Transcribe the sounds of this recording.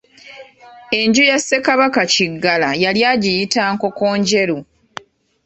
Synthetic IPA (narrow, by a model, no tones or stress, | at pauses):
e̞ɲɟujasːe̞kaβakaciɡːalajaljaːɟijitaːŋko̞ko̞ːɲɟe̞ɾu